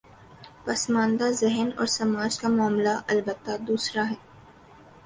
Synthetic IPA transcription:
pɐsmãːnd̪azɛɦənɔ̰ːɾsɐmaːd͡ʒkamʊaːmlaʔɐlbət̪ːad̪uːsɾaɦɛː

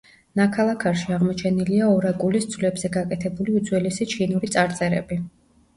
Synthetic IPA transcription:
nakʰalˠakʰaɾʃiaʁmɔt͡ʃʰɛniliaɔɾakʼulisd̪z̥vlɛbzɛɡakʼɛt̪ʰɛbuliud̪zwɛlisit͡ʃʰinuɾit̪sʼaɾt̪sʼɛɾɛ̰bi

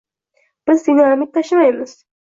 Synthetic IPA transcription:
b̥ɪzd̪inaɾmit̪ʰːaʃɪmajmɪz̥

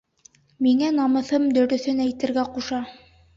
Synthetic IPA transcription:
miŋænɑmɤ̆θɤmd̪ɵ̆ɾɵ̆θɵnæjt̪ɘ̆ɾɡæquʃɑ

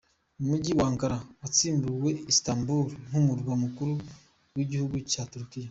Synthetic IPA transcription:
mumuɟiwaːŋkaɾawat͡siːmbuwe̞istaːmbuɾn̥humuɾɡwamukuɾu | wiɟihuɡucatuɾkija

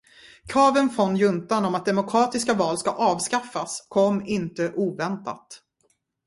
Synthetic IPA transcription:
kʰɑːvənfɾɔnːjɵnt̪anɔmat̪̚d̪ɛmʊkʰɾɑːt̪ɪskavɑːlskaʔɑːvskafːaskʰɔmːɪnt̪əʔuːvɛnt̪a̰t̪

